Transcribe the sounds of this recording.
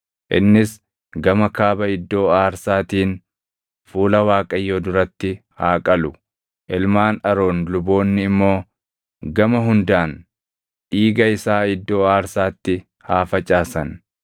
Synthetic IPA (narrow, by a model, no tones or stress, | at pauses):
ʔɪ̰nːɪs | ɡɐmɐkaːbɐɪd̪ːo̞ːaːɾsaːt̪iːn | fuːlɐwaːkʼɐjːoːd̪ʊɾɐt̪ːɪhaːkʼɐlʊ | ʔɪlmaːnɐɾo̞ːnlʊbo̞ːnːɪɪmːo̞ː | ɡɐmɐɦʊnd̪aːn | ʔiːɡɐɪsaːɪd̪ːo̞ːaːɾsaːt̪ːɪ | haːfɐt͡ʃʼaːsɐn